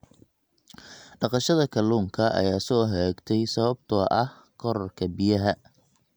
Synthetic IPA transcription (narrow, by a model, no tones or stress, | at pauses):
ɖɑqɑʃɐðɐkʰɐluːŋkʰɐʔɐ̰jaːsɔːɦɛɡt̪ʰɛjsɐβɐbt̪ʰɔʔɐh | kʰɔɾɐrkʰɐbɪjɐɦɐ